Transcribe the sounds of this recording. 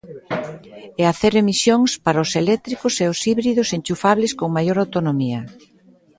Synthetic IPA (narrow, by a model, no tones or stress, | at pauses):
ɛaθeɾemisjoŋspaɾaʊselɛk̚t̪ɾikʊseʊsiβɾiðʊsent͡ʃufaβlɪskoŋmajoɾawt̪onomiɐ